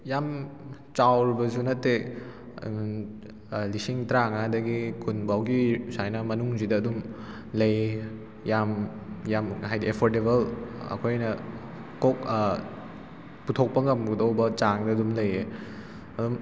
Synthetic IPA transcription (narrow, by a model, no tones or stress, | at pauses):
jam | t͡ʃawɾibɐzunɐtːe | lisiŋtɾaŋadɐɡikʰunbawɡisajnɐmɐnuŋzidɐːdum | lɐj | jamjamɦajdiepʰoɾdeβɐlɐ̰kʰojnɐ | kok̚ | putʰok̚pɐŋɐmɡudɐwbɐt͡ʃaŋdɐːdumlɐje | ɐdum